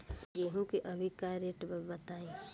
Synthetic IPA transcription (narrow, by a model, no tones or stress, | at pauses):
jeɦũkiʔɐbʱikaɾeʈbəbɐt̪aːẽ